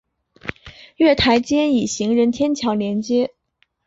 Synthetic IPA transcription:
ɥɛ˥˩t̪ʰa˧˥ɪt͡ɕjɛ˥ni˨˩ɕi˧˥ŋɻə˧˥nt̪ʰjɛ˥nt͡ɕʰjɑ˧˥ʊljɛ˧˥nt͡ɕjɛ˥

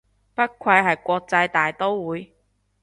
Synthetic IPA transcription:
pɐ˥t̚kʷʰwɐ˧jɦɐ˨jkʷɔː˧k̚t͡sɐ˧jt̪aː˨˩jt̪o˥wwuː˨˧j

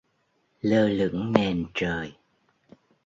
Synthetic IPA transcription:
ləː˧lɨ̰˧˥əŋne˨˩nt͡ɕəː˨˩j

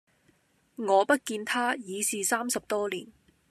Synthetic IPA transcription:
ŋɔː˨˧pɐ˥t̚kiː˧nt̪ʰaː˥jiː˨˧siː˨saː˥msɐ˨p̚t̪ɔː˥liː˨˩n

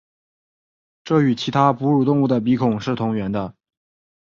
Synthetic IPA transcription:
ʈ͡ʂɤ˥˩y˨˩t͡ɕʰi˧˥t̪ʰa˥pu˧˥ɻu˨˩t̪ʊ˥˧ŋu˥˩d̪ə˩p̬i˧˥kʰʊ˨˩ŋʂɻ̩˥˩t̪ʰʊ˧˥ŋɥɛ˧˥nd̪ə˧

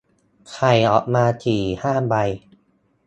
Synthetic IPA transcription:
kʰa˨˩jʔɔː˨˩k̚maː˧t̪ʰiː˨˩haː˥˩ba˧j

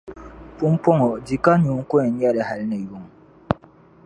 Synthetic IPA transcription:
pu˦m˦pɔ˦ŋɔ˨d͡ʒi˨ka˦ɲu˨˦ŋ̩˦kɔ˦ɛ˨ɲ˦a˦ɾɛ˨ha˨lne˨ju˨˦ŋ

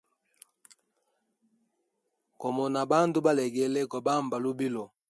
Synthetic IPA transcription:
kɔ˨mɔ˨na˨ba˦n˦do˦ba˦lɛ˨ɡɛ˨lɛ˦kɔ˨ba˦˨mba˨lu˦bi˦lɔ˨

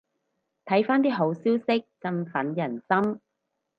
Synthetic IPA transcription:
t̪ʰɐ˨˥jfaː˥nt̪̬iː˥ɦo˨˥wsiː˥wsɪ˥k̚t͡sɐ˧nfɐ˨˥njɐ˨˩nsɐ˥m

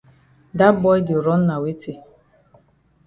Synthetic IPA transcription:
da˦bɔ˦jdɪ˨o˨ɾɔ˦n̩˦na˨we˦ti˦

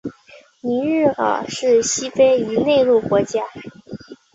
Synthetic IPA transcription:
ni˧˥ɻɻ̩˥˩ə̰˨˩ʂɻ̩˥˩ɕi˥fe˥ɪy˧˥ne˥˧ɪlu˥˩kwɔ˧˥t͡ɕja˥

